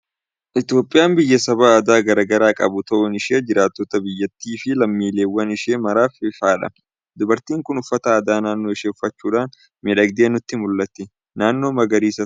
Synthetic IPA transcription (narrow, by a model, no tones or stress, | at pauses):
ʔɪt̪jo̞ːpʼːɪjaːmbɪjːɐsɐbaːd̪aːɡɐɾɐɡɐɾaːkʼɐ̰bʊt̪ɐʔʊnɪʃeːd͡ʒɪɾaːt̪ːɔt̪ɐbɪjːɐt̪ːiːfɪlɐmːiːleːwːɐnɪʃeːmɐɾaːfɪfaːᶑɐ̰ | d̪ʊbɐɾt̪iːŋkʊnʊfːɐt̪ɐːd̪aːnaːnːo̞ːɪʃeːʊfːɐt͡ʃːuːᶑaːn | mɪᶑɐɡ̚d̪eːnʊt̪ːɪmʊlːɐt̪ːɪ | naːnːoːmɐɡɐɾiːsɐ